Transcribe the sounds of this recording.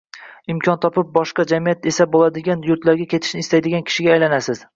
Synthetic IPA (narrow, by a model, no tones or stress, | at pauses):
ɪmkʲʰɒnt̪ʰɒpɪp̚bɒʃqɑd͡ʒamijat̪e̞sabolad̪ɪɡʲanjʊɾt̪laɾɡʲakʲʰe̞t̪ʰɪ̥ʃnɪst̪ajd̪ɪɡʲankʲʰɪ̥ʃɪɡʲaːjlanasɪz̥